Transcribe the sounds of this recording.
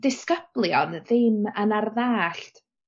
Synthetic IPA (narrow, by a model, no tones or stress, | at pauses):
d̥ɪskəb̥lˠjɔnðɪmənarðaːɬt